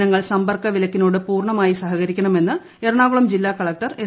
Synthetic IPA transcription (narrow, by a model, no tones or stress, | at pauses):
nɐŋːɐɭsɐmbɐrkːɐʋilɐkːinoːɽɨpuːrɳɐmaːjisɐɦɐɣɐɾikʲːɐɳɐme̞nːɨ | eɾɐɳaːɣuɭɐmd͡ʑilːaːkɐɭɐk̚ʈɐre